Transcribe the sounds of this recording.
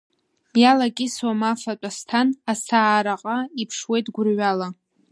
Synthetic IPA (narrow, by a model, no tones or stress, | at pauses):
jalakʲʼɪsomafatʷʼastʰanasaːɾaqʼaipʰʂwe̞jtʰʼɡʷʊrɥala